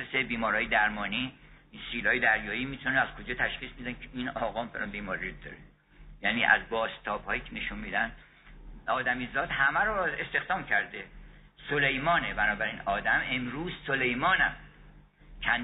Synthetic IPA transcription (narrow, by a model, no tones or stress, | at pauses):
esebiːmɒːɾɒːjed̪æɾmɒːniːinsiːlɒːjed̪æɾjɒːjiːmiːt̪ʰonæz̥kʰod͡ʒɒːt̪ʰæʃχiːsmid̪ænkʰeʔiːnɒːɣɒːmfelʔænbiːmɒːɾid̪ɒ̰ːɾe | jæniːʔæ̰zbɒːst̪ʰɒːb̥hɒːjiːkʰeneʃunmiːd̪ænd̪ | ɒːd̪æmizɒːd̪̥hæmæɾɔe̞st̪e̞xd̪ɒːmcʰæɾd̪e | solejmɒːnebænɒːbæɾinɒːd̪æme̞mɾuːzsole̞jmɒːnæm | t͡ʃʰæn